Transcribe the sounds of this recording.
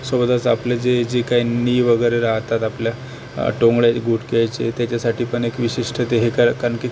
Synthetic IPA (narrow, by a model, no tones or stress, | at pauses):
səbd̪at͡sapljad͡zed͡ʑikainiːʋəɡəjɾeɾaɦt̪at̪aplja | ʈoŋɡɭjaɡuʈʰkeajt͡ɕḛt̪jat͡ɕjasaʈʰiːpəɳekʋiɕiʂʈʰət̪eɦekakanki